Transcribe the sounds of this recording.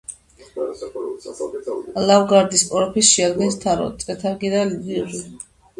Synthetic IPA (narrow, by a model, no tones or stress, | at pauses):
lavɡaɾd̪ispʼɔɾɔpʰisʃiad̪ɡɛnst̪ʰaɾɔ̰ɛt̪ʰaɾɡid̪alibiʁi